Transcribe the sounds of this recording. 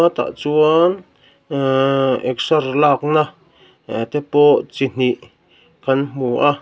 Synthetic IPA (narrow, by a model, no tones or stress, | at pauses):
ãt̪a̰ʔt͡suan | eksaɾlaknã | et̪epoːʔt͡sin̥iʔ | kanmmuːʔa